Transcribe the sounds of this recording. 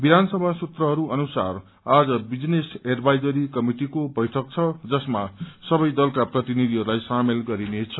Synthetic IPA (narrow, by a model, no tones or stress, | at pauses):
bid̪ʱansʌbʱasut̪rʌɦʌɾuʌnusar | ad͡zʌbid͡zneserbʱajd͡zʌɾikʌmiʈikobʌjʈʰʌk̚t͡sʰʌd͡zʌsmasʌbʌjd̪ʌlkaprʌt̪inid̪ʱiɦʌɾulajsamelɡʌɾinet͡sʰʌ